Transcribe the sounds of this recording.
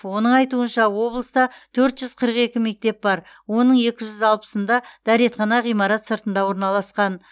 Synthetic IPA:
wo̞nəɴɑjt̪uənʃɑwo̞blˠəst̪ɑt̪ʰɵɾt̪ʒʏz̥qʰəɾəqe̞kʲɪme̞k̚t̪e̞p̚bɑɾ | wo̞nəɴe̞kʲɪʒʏzɑlˠpə̥sənd̪ɑd̪̥æɾet̪χɑnɑʁijmɑɾɑt̪səɾt̪ənd̪ɑwo̞ɾnɑlˠɑsqɑn

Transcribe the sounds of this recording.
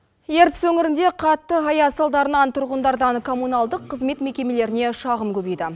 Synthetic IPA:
je̞ɾt̪ɪswɵŋɪɾɪnd̪e̞qʰɑt̪ːəɦɑjɑsɑlˠd̪ɑɾənɑnt̪ʰʊɾʁənd̪ɑɾd̪ɑŋkʰo̞munɑlˠd̪əqʰːəzme̞t̪me̞kʲe̞me̞le̞ɾɪne̞ʃɑʁəmkʲʰɵbijd̪ɪ

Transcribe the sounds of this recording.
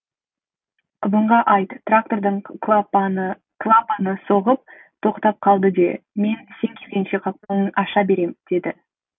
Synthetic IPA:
qʰʊbəɴʁɑʔɑjt̪t̪rak̚t̪o̞rd̪əɴ | klˠapanəso̞ʁəp̚ | t̪ʰo̞qt̪ɑp̚qʰɑlˠd̪əd̪e̞̰me̞nse̞ŋkʲʰesʲenʃe̞qʰɑp̚t̪ɑwnənʔɑʃɑbe̞ɾe̞md̪̥e̞d̪ɪ

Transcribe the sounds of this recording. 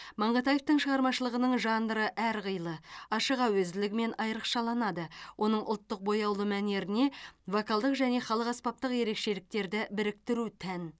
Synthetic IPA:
mɑɴʁɑt̪ɑje̞ft̪əɴʃəʁɑɾmɑʃəlˠəʁənəɴʒɑnd̪əɾəʔæɾʁəjlˠəɑʃəʁɑwɵzd̪ɪlɪɡʲɪme̞nɑjɾəqʃɑlˠɑnɑd̪əwʔo̞nəɴʔʊ̰lˠt̪ːəq̚bo̞jɑwlˠəmæne̞ɾɪne̞vokɑlˠd̪əqʒæne̞χɑlˠəqɑspɑp̚t̪əqje̞ɾe̞kʃe̞lɪk̚t̪e̞ɾd̪ɪbɪɾɪk̚t̪ɪɾut̪ʰæn

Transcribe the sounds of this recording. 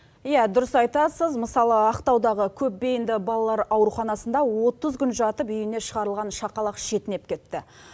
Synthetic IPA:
jæd̪ʊɾəsɑjt̪ɑsəzməsɑlˠəɑqt̪ɑwd̪ɑʁəkʲʰɵp̚be̞jɪnd̪ɪbɑlˠɑlˠɑɾɑwɾuχɑnɑsənd̪ɑwo̞t̪əzkʲʏnʒɑt̪əpʏjɪne̞ʃəʁɑɾəlˠʁɑnʃɑqɑlˠɑqʃe̞t̪ɪne̞p̚kʲʰe̞t̪ːɪ

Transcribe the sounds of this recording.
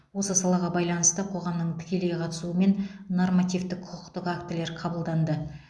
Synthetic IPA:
wo̞səsɑlˠɑʁɑbɑjlˠɑnəst̪əqʰo̞ʁɑmnəɴt̪ʰɪ̥kʲe̞lejqʰɑt̪əsuəme̞nːo̞rmat̪ijvt̪ɪk̚qʰʊqʰə̥qt̪əqakt̪ɪle̞ɾqʰɑbəlˠd̪ɑnd̪ə

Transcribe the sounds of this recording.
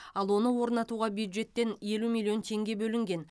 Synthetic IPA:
ɑlˠwo̞nəwo̞ɾnɑt̪uʁɑbjud̪ʒe̞t̪ːe̞nje̞lumilʲˠijo̞nt̪ʰe̞ŋɡʲe̞bɵlɪŋɡʲe̞n

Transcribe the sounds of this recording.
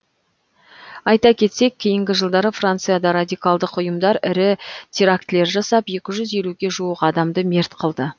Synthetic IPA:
ɑjt̪ɑkʲʰe̞t̪se̞k̚ʲʰːe̞jɪŋɡʲɪʒəlˠd̪ɑɾəfrant̪sɨjad̪ɑɾad̪ʲijkalˠd̪əqʊjəmd̪ɑɾɪɾɪt̪ʲʰeɾakt̪le̞ɾʒɑsɑpje̞kʲɪʒʏze̞luɡʲe̞ʒuwəqɑd̪ɑmd̪əme̞ɾt̪qʰəlˠd̪ə

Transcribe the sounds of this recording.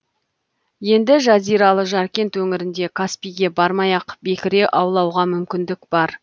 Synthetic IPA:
je̞nd̪ɪʒɑzijɾɑlˠəʒɑɾkʲe̞nt̪wɵŋɪɾɪnd̪e̞kʰaspijɡʲe̞bɑɾmɑjɑqbe̞kʲɪɾe̞ʔɑwlˠɑwʁɑmʏmkʲɪnd̪ɪkb̥ɑɾ

